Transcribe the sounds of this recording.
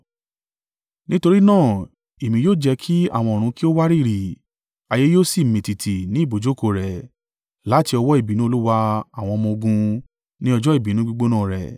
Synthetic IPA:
nĩ˦to˧ɾi˦nãː˦˨ | e˨mĩ˧joː˦˨d͡ʒɛ˧kʰi˦a̰˦˨w̃ɔ̃˧o˨ɾ̃ũ˧ki˦o˦wa˦ɾi˦˨ɾi˨ | a˧je˦joː˦si˦˨mĩ˨ti˨tʰi˨nĩ˨˦i˦˨bo˨d͡ʒo˨˦ko˨ɾɛ˨ | la˨˦ti˧ɔ˧wɔ˦i˦˨bi˨nũ˦o˧lu˦wa˧a˦˨w̃ɔ̃˧mɔ̃˧o˧ɡũ˧ | nĩ˦ɔ˧d͡ʒɔ˦i˦˨bi˨nũ˨˦ɡ͡bu˦˧ɡ͡bo˦nãː˦˨ɾɛ̰˨

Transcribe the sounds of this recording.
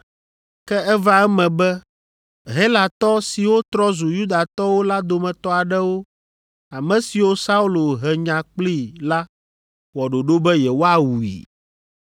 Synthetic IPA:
kɛ˦ɛ˦va˦ɛ˦mɛ̃˨bɛ˦ | ɦe˦la˨t̪ɔ˦si˨wo˦t̪ɾɔ˦zu˨ju˦d̪a˨t̪ɔ˦wo˦la˦d̪o˨mɛ̃˨t̪ɔ˦a˨ɖɛ˦wo˦ | a˨mɛ̃˨si˨wo˦sa˦u˦lo˨ɦɛ˨ɲã˨k͡pli˦˨la˦ | wɔ˨ɖo˨ɖo˦bɛ˦jɛ˨wo˦a˨wu˨ḭ˨

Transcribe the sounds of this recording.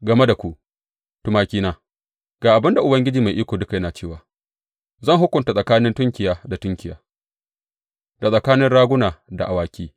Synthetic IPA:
ɡɐ˨me˦da˨kʷu˦ʔ | tʊ˨˦maː˦kʲiː˦naː˦ | ɡ̥aː˨ʔa˨bɪ˦nda˨ʔʊ˨bɐ˦ŋɡʲɪ˦d͡ʒiː˨ma˨jʔiː˦kʷoː˨dʊ˦ka˨jɐ˦naː˨t͡ʃeː˦˨waː˨ | zɐ˦˨ŋɦʊ˦kʷʊ˨nta˨sʼɐ˨kaː˦nɪ˦ntʊ˦ŋkʲɪ˨jaː˦da˨tʊ˦ŋkʲɪ˨jaː˨˦ | da˨sʼɐ˨kaː˦nɪ˦nɽaː˦ɡʷʊ˦naː˨da˨ʔa˨waː˨kʲiː˦

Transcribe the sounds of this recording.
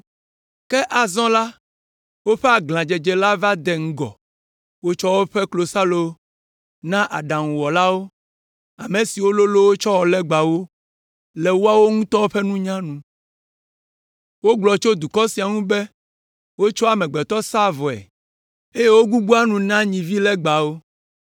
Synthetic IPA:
kɛ˦ʔa˨zɔ̃˦la˦ | wo˦ɸɛ˦a˨ɡlã˨d͡ʒɛ˨d͡ʒɛ˨la˦va˦d̪ɛ˨ŋ̩˦ɡɔ̰˨ | wo˦t͡ʃɔ˦wo˦ɸɛ˦klo˨sa˦lo˦ | nã˦ʔa˨ɖã˨ŋũ˨wɔ˨la˦wo˦ | a˨mẽ˨si˨wo˦lo˦lo˦wo˦t͡ʃɔ˦wɔ˨lɛ˦ɡ͡ba˨wo˦ | lɛ˨wo˦a˦wo˦ŋũ˦t̪ɔ˦wo˦ɸɛ˦nũ˦ɲã˦nũ˨ | wo˦ɡ͡blɔ˨t͡ʃo˦d̪u˨kɔ˦si˨a˨ŋũ˦be˦ | wo˦t͡ʃɔ˦a˨mɛ̃˨ɡ͡bɛ˨t̪ɔ˦sa˦vɔ˨ɛ̰˨ | e˦je˦wo˦ɡu˦ɡ͡bu˦a˦nũ˨nã˦ɲĩ˨vi˦lɛ˦ɡ͡ba˨wo˦

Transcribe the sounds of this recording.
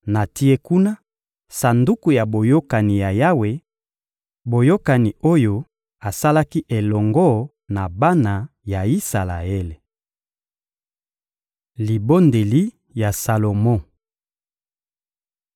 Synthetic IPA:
na˨ti˦e˦ku˦na˦ | sa˨ndu˦ku˨ja˨bo˨jo˦ka˨ni˨ja˨ja˦we˨ | bo˨jo˦ka˨ni˨o˦jo˦ | a˨sa˦la˦ki˦ʔe˨lɔ˨ŋɡɔ˦ | na˨ba˦na˨ja˨i˦sa˨la̰˨e˦le˨ | li˨bo˦nde˨li˦ | ja˨sa˨lo˨mɔ̃˦˨

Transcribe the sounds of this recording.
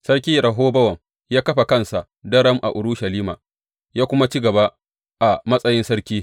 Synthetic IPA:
sɐ˦ɽkʲiː˦ɾɐ˨ɦoː˦bɐ˦wɐ˨ŋ | jaː˦kɐ˦ɸa˨kɐ˦˨nsa˨ʔ | dɐ˦ɽɐ˦mʔa̰˨ʔʊ˨ɾʊ˦ʃɐ˨liː˦maː˨ | jaː˦kʷʊ˦ma˦t͡ʃi˦ɡɐ˨ba˦ | ʔa˨mɐ˦sʼɐ˦jɪ˦nsɐ˦ɾkʲiː˦

